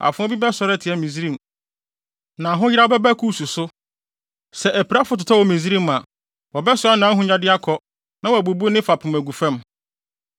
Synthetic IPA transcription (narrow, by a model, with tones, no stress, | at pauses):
a̰˨fʊ̃˦ɔ˦bi˦bɛ˦sɔ˨ɾɛ˦˨tʰɪ˨ɛ˦mĩ˨zi˦ɾĩ˦m˨ | nã˨ɦʊ̃˦jɪ˦ɾa˦ɔ˦bɛ˦bæ˦kʰuː˦su˨sʊ˦ | sɛ˨ʔæ˨pʰi˨ɾa˦fʊ˦tʊ˨tʰa˦wɔ˨mĩ˨zi˦ɾi˦ma˨ | wɔ˨bɛ˦sʊ˨˦a˦nã˨˦ɦʊ̃˦ɲã˦dɪ˦a˦kʰɔ˨ | nã˦wæ˨bu˨bu˦nɪ̃˦fa˨pʰʊ̃˨mæ˨ɡu˨fɛ̃˦m